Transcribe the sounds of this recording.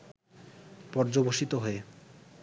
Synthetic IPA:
pɔɾd͡ʑoboʃit̪oɦoe

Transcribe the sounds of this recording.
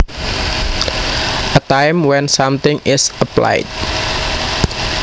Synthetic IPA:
ʔət̪ajmwɛnsamt̪ɪŋɪsəpla̰ɪt̚

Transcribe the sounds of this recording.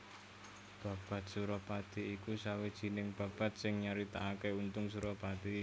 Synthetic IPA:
b̥a̤b̥a̤t̪̚suɾɔpad̪̥i̤ikusawed̥ʒ̥i̤nɪŋb̥a̤b̥a̤t̪̚sɪŋɲaɾit̪aakeunt̪ʊŋs̬uɾɔpad̪̥i

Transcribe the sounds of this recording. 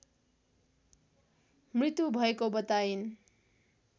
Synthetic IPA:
mrit̪jubʱʌekobʌt̪ain

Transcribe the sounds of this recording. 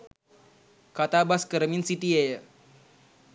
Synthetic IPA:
kat̪abaskəɾminsit̪ie

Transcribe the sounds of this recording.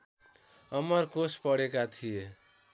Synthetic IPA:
ʌmʌrkospʌɽekat̪ʰije

